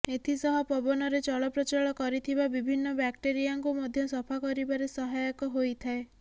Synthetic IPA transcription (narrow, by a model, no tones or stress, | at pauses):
et̪ʰisɔɦɔpɔbɔnɔɾet͡ʃɔɭɔpɾɔt͡ʃaɭɔkɔɾit̪ʰibabibʱinːɔbakʈeɾiaŋkumɔd̪ʱjɔsɔpʰakɔɾibaɾesɔɦajɔkɔɦojt̪ʰae